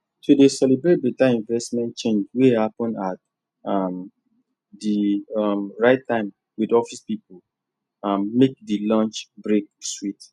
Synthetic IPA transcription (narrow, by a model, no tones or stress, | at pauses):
tʰudesɛlibɹet̚betaĩnvɛsmɛ̃nt̚t͡ʃẽnd͡ʒwehapɔ̃nat̚ | am | dimɹaɪtːãɪ̃m | widɔfispipəl | ãmːek̚dilɔ̃nt͡ʃbɹek̚swit